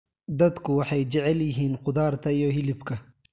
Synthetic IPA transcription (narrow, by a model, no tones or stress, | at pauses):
d̪ɐd̪kʰʊwɑħɑjt͡ʃɛʕɛljɪɦiːnqʊd̪aːɾt̪ʰɐijɔɦɪlɪbkʰɐ